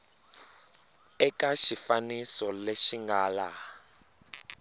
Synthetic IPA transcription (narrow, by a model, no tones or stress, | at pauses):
ɛkaʃifanisɔleʃiŋɡaːla